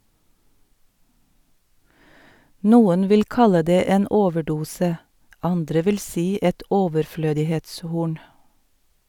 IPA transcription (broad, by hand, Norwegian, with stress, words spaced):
ˈnuːən ˈʋɪl ˈkɑlə ˈdeː ˈeːn ˈoːʋəˌɖuːsə ˈɑndɾə ˈʋɪl ˈsiː ˈɛt ɔʋəɾˈfløːdɪheːtsˌhuːɳ